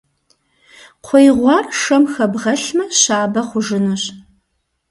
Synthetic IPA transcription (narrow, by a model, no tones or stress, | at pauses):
qʷʰɔjʁʷɑːrʂɐmxɐbʁɐɬmɐɕaːbɐχʷʊʒɨnuɕ